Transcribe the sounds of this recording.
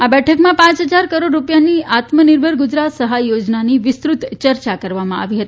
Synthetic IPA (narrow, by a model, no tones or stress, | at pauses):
abɛʈʰəkmãpãt͡ʃɦəd͡ʒaɾkəɾoɖɾupjaniat̪mənɪɾbʱəɾɡud͡ʒɾat̪səɦajod͡ʒnaniʋɪst̪ɾut̪t͡ʃəɾt͡ʃakəɾʋamãʔa̰ʋiɦət̪i